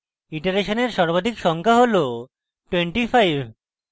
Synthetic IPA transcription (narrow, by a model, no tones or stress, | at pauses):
iʈaɾeʃoneɾʃɔɾbad̪ʱikʃɔŋkʰaɦolo | ʈweɳʈifajbʱ